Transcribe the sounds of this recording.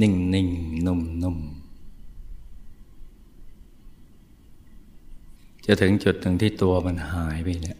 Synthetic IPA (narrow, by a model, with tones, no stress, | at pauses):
ni˧˩ŋni˧˩ŋnu˧˩˨mnu˧˩˨m | t͡ɕa˧˩t̪ʰɯ˨˦ŋt͡ɕu˨˩t̪̚nɯ˨˧˩ŋt̪ʰiː˧˥˩t̪u˧ɐma˧˨nhaː˩˦jpa˧˩˨ni˧˩˨ʔ